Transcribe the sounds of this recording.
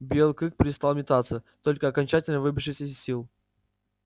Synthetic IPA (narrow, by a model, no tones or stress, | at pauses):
bʲelˠɨkɨk̚pʲɾʲɪst̪alˠmʲɪt̪at̪sət̪o̞lʲkəɐkɐnʲt͡ɕætʲɪlʲnəvɨbʲɪʂɨsʲəsʲilˠ